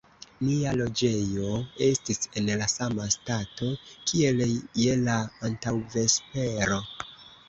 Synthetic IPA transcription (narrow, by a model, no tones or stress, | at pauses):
lialo̞d͡ʒe̞jo̞e̞stise̞nlasamastato̞kʰie̞lje̞laːntawve̞spe̞ɾo̞